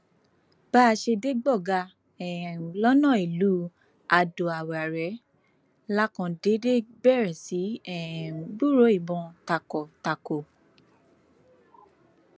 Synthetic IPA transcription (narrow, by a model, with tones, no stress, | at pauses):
b̥a˦˧ʃe˧de˦ɡ͡bɔ˦˨ɡa˧ | ɛ˨lɔ˦nɔ̃˦˨i˨lu˨˦ | a˨do˨a˨wa˨ɾɛ˨˦ | la˦kɔ̃˧de˨˦de˦bɛ˦˨ɾɛ˨si˨˦ɛ˦˨bu˦˨ɾo˨˦i˦˨bɔ̃˧ta˨kɔ˨ta˨ko˨